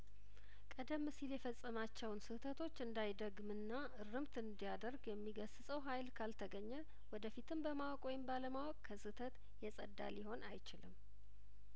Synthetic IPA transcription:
kʼəd̪əmːɨsiljɛfəsʼːəmat͡ʃːɛwnsɨht̪ʰət̪ʰo̞t͡ʃːɨnd̪ajd̪əɡmɨnːa | ɨɾɨmt̪ɨnd̪ijad̪əɾɡjɛmːiɡəsɨsʼəwɦajlkʰalt̪ʰəɡəɲːɛ | wɔd̪əfit̪ʰɨmbəmawɔkʼwɔjɪmbaləmawɔkʼkʰəsɨt̪ʰət̪ | jɛsʼə̰d̪ːa̰liho̞nʔa̰jt͡ʃɪlɨmː

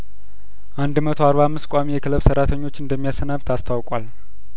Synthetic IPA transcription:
ʔand̪mət̪ʰoaɾβamːɨskʷʼamijɛkʰɨləβsəɾat̪ʰəɲːo̞t͡ʃːɨnd̪əmːijasənaβt̪ʰast̪ʰawkʼwal

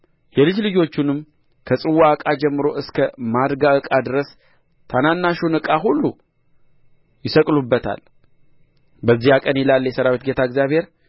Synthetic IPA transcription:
jɛlɨd͡ʒlɨd͡ʒo̞t͡ʃːunɨmː | kʰəsʼɨwːakʼad͡ʒɛmːɨɾo̞ʔɨskʰəmad̪ɡaɨkʼad̪ɨɾəs | t̪ʰananːaʃunɨkʼaɦulːu | jɪsəkʼlubːət̪ʰa̰l | bəzːihakʼənjɛlalːjɛsəɾawet̪ɡe̞t̪ʰaɨɡzʲjaβhe̞ɾ

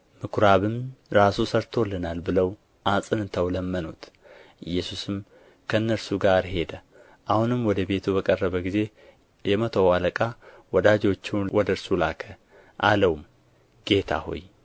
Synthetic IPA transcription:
mɨkʰɾaβɨmɾasusəɾt̪ʰolːənalbɨləw | ʔasʼɨnɨt̪ʰəwləmːənut̪ | ʔɨjːɛsusɨm | kʰəɨnːəɾsuɡaɾhe̞d̪ə | ʔahunɨmwɔd̪əbe̞t̪ʰubəkʼərːəβəɡize̞ | jɛmət̪ʰəwaləkʼawɔd̪ad͡ʒo̞t͡ʃːɪwwɔd̪əɾsulakʰə | ʔaləwm | ɡ̥e̞t̪ʰa̰ho̰j

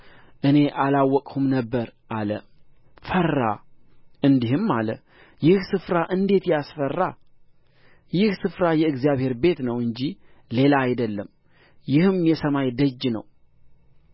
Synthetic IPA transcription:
ʔɨne̞ʔalawːɔkʼhumnəbːəɾʔalə̰ | fərːa̰ʔɨnd̪iɦɨmːalə̰ | jɪhsɨfɾaʔɨnd̪e̞t̪jasfərːa | jɪhsɨfɾajɛɨɡzijaβhe̞ɾbe̞t̪nəwɨɲd͡ʒile̞laːjd̪əlːəm | jɪhɨmjɛsəmajd̪əd͡ʒːnə̰w

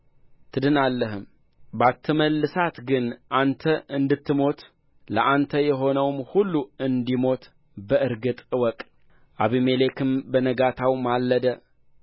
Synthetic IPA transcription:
t̪ʰɨd̪ɨnalːəɦɨm | bat̪ʰːɨməlːɨsat̪ɡɨnʔant̪ʰəʔɨnd̪ɨt̪ːɨmo̞t̪ | ləʔant̪ʰəjɛɦo̞nəwmhulːuɨnd̪imo̞t̪ | bəʔɨɾɡɨt̪ʼɨwɔkʼ | ʔaβimele̞kʰɨmbənəɡat̪ʰawmalːəd̪ə

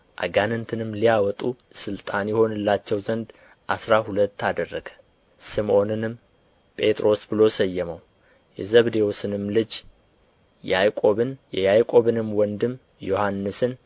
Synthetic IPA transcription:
ʔa̰ɡanɨnt̪ʰɨnɨmːlijawɔt̪ʼu | sɨlt̪ʼanjɛho̞nɨlːat͡ʃːɛwzənd̪ | ʔasɾahulət̪ːad̪ərːəɡə̥ | sɨmo̞nɨnɨm | pʼe̞t̪ʼɾʔo̞sbɨlo̞səjːɛməw | jɛzəβd̪e̞wusɨnɨmlɨd͡ʒ | jajkʼo̞βɨnjɛjajkʼo̞βɨnɨmwɔnd̪ɨm | jo̞hanːɨsɨn

